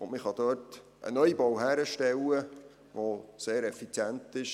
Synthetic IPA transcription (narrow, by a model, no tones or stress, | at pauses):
ʊnmɪχhɑd̥̪œːt | ʔə̰nœʏibɔwɦæːɾəʃtɛlə | ʋoseːɾɛfit͡sjæntɪʃ